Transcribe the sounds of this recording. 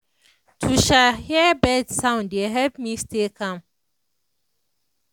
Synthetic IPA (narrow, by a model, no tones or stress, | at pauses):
tʰuʃahiɛbɛdsãʊ̃ndeɦɛpmistekʰãm